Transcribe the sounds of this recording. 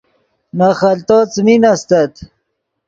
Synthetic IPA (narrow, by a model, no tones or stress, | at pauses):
naxɐlt̪ot͡sminast̪ɐt̪